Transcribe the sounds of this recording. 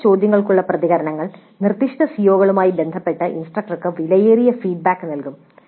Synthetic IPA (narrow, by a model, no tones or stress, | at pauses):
t͡ɕo̞ːd̪jɐŋːɐɭkuɭːɐprɐðiɣɐɾɐɳɐŋːɐɭ | nirt̪ːiʂʈɐsijoːɣɐɭumaːjibe̞nd̪ʱɐpːe̞ʈːɨʔinsʈrɐk̚ʈɐrkɨʋilɐjeːɾijɐfiːɖ̚baːkːɨnɐlkum